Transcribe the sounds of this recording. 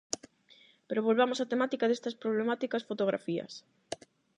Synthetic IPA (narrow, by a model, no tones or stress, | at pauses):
peɾoβ̞olβamosat̪emat̪ikaðest̪ɐspɾoβlemat̪ikasfot̪oɣ̞ɾʔa̰fiɐ̰s